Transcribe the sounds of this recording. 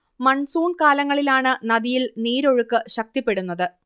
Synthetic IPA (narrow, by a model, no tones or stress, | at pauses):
mɐɳsuːɳkaːlɐŋːɐɭilaːɳɨnɐðijilniːɾo̞ɻukːɨɕɐk̚t̪ipːe̞ɽunːɐðɨ